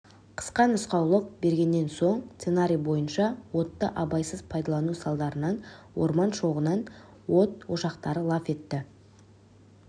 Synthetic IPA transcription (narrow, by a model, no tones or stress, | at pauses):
qʰə̥sqɑnʏsqɑwlˠəq̚be̞ɾɡʲe̞nːe̞nso̞ɴt̪se̞naɾʲijbo̞jənʃɑwo̞t̪ːəʔɑbɑjsəzpʰɑjd̪ɑlˠɑnusɑlˠd̪ɑɾənɑnwo̞̰ɾmɑnʃo̞ʁənɑn | wo̞t̪̚wo̞ʃɑqt̪ɑɾəlˠɑfe̞t̪ːɪ